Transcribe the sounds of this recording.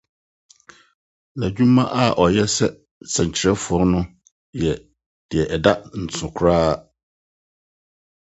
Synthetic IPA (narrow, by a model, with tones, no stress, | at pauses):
la˨d͡ʑᶣũ˦mã˦ʔa˦˨ʔɔ˨jɛ˦sɛ˦ | sã˨ɲ˨t͡ɕʰɪ˨˦ɾɛ˦fʊ˨ɔ˦ɾnʊ̃˦ | jɛ˨ | d̥ɪ˨ɛ˨ʔɛ˨da˦n̩˨t͡sʰʊ̃˨kʰɾaː˦